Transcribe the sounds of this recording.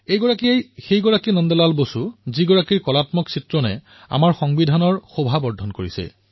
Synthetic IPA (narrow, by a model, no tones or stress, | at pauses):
ejɡɔɹakiejxejɡɔɹakinɔndɛlalbosuziɡɔɹakiɹkɔlatmɔksitɹɔnɛ̰ | a̰maɹxɔŋbidʱanɔɹxobʱabɔɹdʱːɔnkoɹisɛ̰